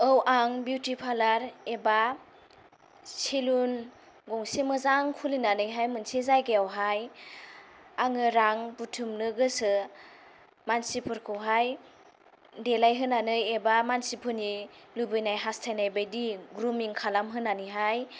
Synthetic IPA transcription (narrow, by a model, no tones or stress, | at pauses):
ɯwʔaŋbjutipʰalaɾeba | silun | ɡɔŋsimɯzaŋkʰulinanɯjɦajmɯnsizajɡeawɦaj | aŋɯɾaŋbutʰumnɯɡɯsɯ | mansipʰɯɾkʰɯwɦaj | delajɦɯnanɯjebamansipʰɯni | lubɯjnajɦastʰajnajbajdiɡɾumiŋkʰalamɦɯnːanɯɦaj